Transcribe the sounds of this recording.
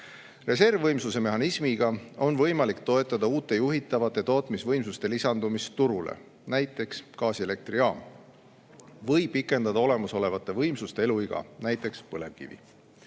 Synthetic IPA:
re̞s̬e̞rvːɤjmsuse̞me̞ɦɑnismiɡ̥ɑo̞nvɤjmɑlikt̪o̞e̞t̪ːˑɑd̪̥ɑuːt̪ːˑe̞juɦit̪ːˑɑvɑt̪ːˑe̞t̪o̞ːt̪ˑmisvɤ̞jmsust̪e̞lisɑnd̪umist̪uɾulḛ | næjt̪ːˑe̞kskɑːsiele̞k̚t̪riɑːm | vɤjpikːˑe̞nd̪ɑd̪ɑo̞le̞muso̞le̞vɑt̪ːˑe̞vɤjmsust̪e̞e̞luiɡ̥ɑ̰næjt̪ːˑe̞kspɤle̞vkḭvḭ

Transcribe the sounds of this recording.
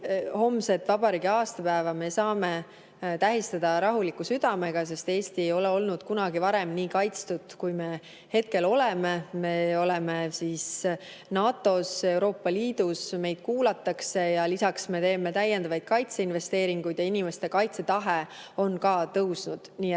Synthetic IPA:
ho̞mse̞t̪ːˑvɑb̥ɑɾiːɡiɑːst̪ɑpæevɑme̞sɑːme̞ | t̪æɦist̪ɑd̪̥ɑɾɑɦulikːusyd̪̥ɑme̞ɡ̥ɑs̬e̞st̪e̞ːst̪ie̞jo̞leo̞lnud̪̥kunɑɡivɑɾe̞mniːkɑjt̪st̪ud̪̥kujme̞ | he̞t̪̚ke̞lo̞leme̞me̞o̞lemesis | nɑːt̪ːˑo̞se̞wɾo̞ːpˑːɑliːd̪̥usme̞jd̪̥̚kuːlɑt̪ːˑɑkse̞jɑlisɑksme̞t̪e̞ːme̞t̪æjːend̪ɑvɑjd̪̥̚kɑjt̪se̞inve̞st̪e̞ːɾiŋɡ̥ujd̪̥jɑinime̞st̪e̞kɑjt̪se̞t̪ɑɦeo̞nkɑːt̪ɤwsnud̪̥niːe

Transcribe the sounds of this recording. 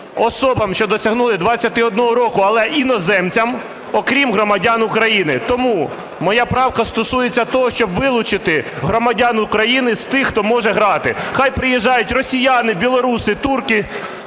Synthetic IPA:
ɔsɔbɐmʃt͡ʃɔd̪ɔsʲɐɦnulˠɪd̪ʋɑt͡sʲːɐt̪ɪɔd̪nɔɦɔɾɔkʊɐlˠɛʔinɔzɛmt͡sʲɐm | ɔkɾʲimɦɾɔmɐdʲanukɾɐjinɪt̪ɔmu | mɔjapɾɑwkɐst̪ɔsujet͡sʲːɐt̪ɔɦɔʃt͡ʃɔbʋɪlˠʊt͡ʃɪt̪ɪɦɾɔmɐdʲanukɾɐjinɪst̪ɪxt̪ɔmɔʒɛɦɾɑt̪ɪxɑjpɾɪjɛʒːɑjʊtʲrɔsʲijanɪbʲilˠɔɾusɪt̪urkɪ

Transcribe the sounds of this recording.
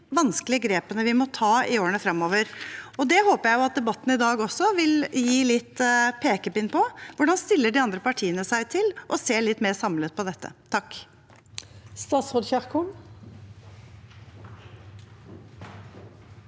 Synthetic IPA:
ʋɑnsklɪəɡɾeːpənəʋɪmɔt̪ʰɑːɪoːɾənəfɾɑmːoːʋəɾɔd̪ɛhoːpəɾjæɪjʊɑt̪̚d̪ɛbɑt̪ːn̩ɪd̪ɑːɡɔsːɔʋɪljiːlɪt̪ːpʰeːkəpɪnpʰɔʋʊɖɑnst̪ɪlːəɖɪɑnd̪ɾəpɑʈʰiːənəsæɪt̪ʰɪlʔɔseːɭɪt̪ːmeːɾsɑmlət̪̚pɔd̪ɛt̪ʰːə̰t̪ʰɑkː | st̪ɑːt̪sʁoːd̪çæʁkʰʊn

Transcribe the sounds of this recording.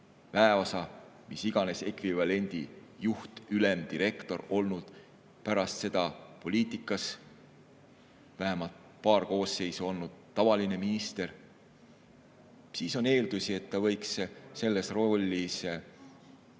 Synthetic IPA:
væeo̞sɑ | misiɡ̥ɑne̞se̞kvivɑle̞nʲd̪̥ijuht̪yle̞md̪iɾe̞kt̪o̞ɾo̞lnud̪̥ | pæɾɑst̪se̞d̪ɑpo̞lʲiːt̪ˑikːˑɑs | væɦemɑlt̪̚ | pɑːrko̞ːsːe̞jsuo̞lnud̪̥̚t̪ːɑvɑline̞minist̪e̞ɾ | siːso̞ne̞ːld̪̥usie̞t̪ːɑvɤ̞jksse̞lːe̞sro̞lʲːis

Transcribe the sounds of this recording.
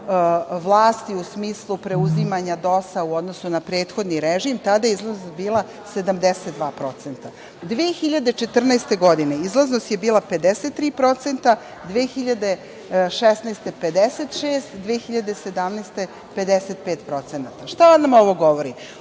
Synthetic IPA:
ʋlˠaːst̪iusmiːslˠupɾeuzimaɲad̪o̞sauo̞d̪nosunapɾeːt̪xo̞d̪niɾeʒimt̪ad̪ajeizlˠazobiːlˠa | se̞d̪amd̪eset̪̚d̪ʋaːpɾo̞t̪se̞nt̪a | d̪ʋeːxiʎad̪e̞t͡ʃe̞t̪r̩nast̪e̞ɡo̞d̪ine̞izlˠaznost̪jebiːlˠape̞d̪eset̪ːɾiːpɾo̞t̪se̞nt̪a | d̪ʋeːxiʎad̪e̞ | ʃesnajst̪eped̪eset̪ʃeːst̪d̪ʋeːxiʎad̪e̞sed̪amnejst̪e̞ | pe̞d̪eset̪̚peːt̪pɾo̞t̪senat̪aʃt̪aonːamoʋoɡo̞ʋoɾi

